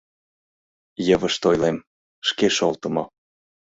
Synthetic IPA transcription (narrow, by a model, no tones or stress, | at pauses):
jə̆βəʃt̪ojlem | ʃkeʃolt̪ə̆mo